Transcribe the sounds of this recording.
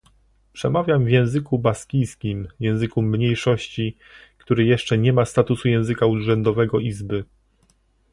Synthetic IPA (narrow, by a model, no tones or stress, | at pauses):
pʂɛmavʲjamvʲjɛ̃w̃zɘkubaskʲijskʲimjɛ̃w̃zɘkumɲejʂɔɕt͡ɕi | kt̪uɾɘjɛʂt͡ʂɛɲɛmast̪at̪usujɛ̃w̃zɘkauʐɛnd̪ɔvɛɡɔizbɘ